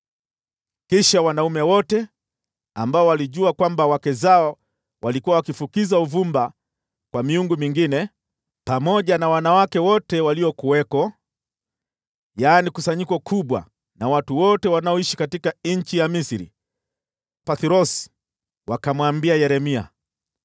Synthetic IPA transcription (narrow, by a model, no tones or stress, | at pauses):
kiʃawanaumɛwɔtɛ | ambaɔwaliʄuakwambawakɛzaɔ | walikuwawakifukizauvumba | kwamiuŋɡumiŋɡinɛ | pamɔʄanawanawakɛwɔtɛwaliɔkuwɛkɔ | jaːnikusaɲikɔkʰuɓwa̰ | nawatuwɔtɛwanaɔiʃi̥katikaɲ̩t͡ʃijamisiɾḭ | paθiɾɔsi̥ | wakamwambiajɛɾɛmia